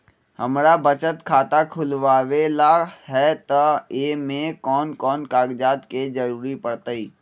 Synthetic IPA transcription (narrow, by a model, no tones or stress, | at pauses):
hɐ̰mɾabət͡ʃət̪kʰaːt̪akʰʊlʋaːʋelaɦɛt̪ɐeːmẽkɔːnkɔːnkaːɡd͡ʒaːt̪ked͡ʒɐɾuːɾipɐɽt̪əiː